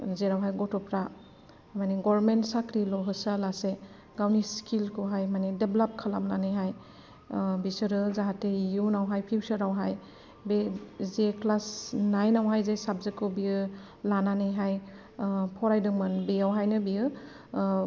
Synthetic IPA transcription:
zeɾawɦajɡɔtɔpɾa | maniɡɔɾmentsakɾilɔɦɯsalase | ɡawniskʰilkʰuɦajmanedeblap̚kʰalamnanɯjɦaj | bisɯɾɯzaɦatejunawɦajpʰiwsɯɾawɦaj | bezeklasnajnawɦajzesab̚zekʰɯbiɯ | lananɯjɦaj | pʰɔɾajdɯŋmɯnbeawɦajnɯbiɯ

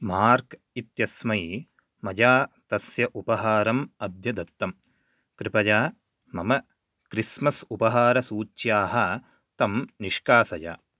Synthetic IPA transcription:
maːɾk | it̪jɐsmɐj | mɐd͡ʒaːt̪ɐsjɐʔupɐɦaːɾɐmɐd̪jɐd̪ɐt̪ːɐm | kɾipɐd͡ʒaː | mɐmɐ | kɾismɐsupɐɦaːɾɐsuːt͡ʃjaːɦɐ | t̪ɐmniʂkaːsɐd͡ʒa̰ː

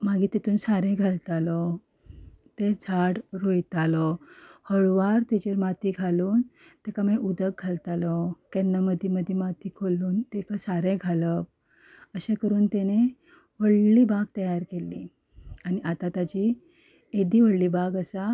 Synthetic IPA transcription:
maɡiːt̪et̪uːnsaɾẽɡʱalt̪alɔ | t̪ed͡zʱaɽɾojt̪alɔhəɭʋaɾt̪ed͡ʑeɾmat̪iːɡʱaluːn | t̪ekameʔud̪əɡ̚ɡʱalt̪alɔkɛnːaməd̪ʱjiməd̪ʱːjemat̪iːkʰoluːnt̪ekasaɾẽɡʱaləp | əɕekəɾuːnt̪ene | ʋəɽliːbaɡ̚t̪əjaɾkelːi | añiʔat̪at̪at͡ɕi | ed̪iːʋəɽliːbʱaɡəsa

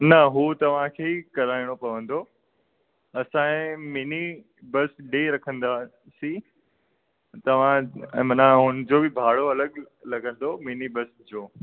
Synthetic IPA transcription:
nɐɦuːt̪ɐʋ̤ãkʰeːkɐɾaːiɽ̃opɐʋə̃nd̪o | ɐsãɪ̃mini | bɐsɖeɾɐkʰə̃nd̪a | sĩ | t̪ɐʋ̤ãːmɐnãɦʊnɪ̆d͡ʑobɪbʱaːɽoɐləɠ | lɐɡə̃nd̪ominibɐsd͡ʑoː

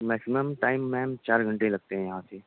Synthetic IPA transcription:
mɛːksɪməmʈaːɪmːɛ̃ːmt͡ʃaːɾɡʱə̃ɳʈelɐɡ̚t̪eɦɛ̃jɐɦãːseː

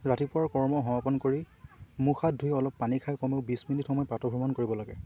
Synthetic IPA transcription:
ɹatipʊɹaɹkɔɹmɔɦɔapɔnkoɹi | muxadʱujɔlɔpːanikʰajkɔmeʊbisminitxɔmɔjpɹatɔbʱɔmankoɹibɔlaɡɛ̰

